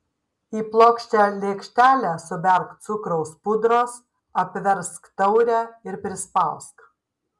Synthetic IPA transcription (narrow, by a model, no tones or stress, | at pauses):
iːplˠoːkʃʲt̪ʲælʲeːkʃʲt̪ʲæːlʲæːsʊbʲɛɾkt̪sʊkɾɐʊspʊd̪ɾoːs | ɐpʲʋʲɛɾskt̪ɐʊɾʲæɪɾpʲɾʲɪspɐˑʊsk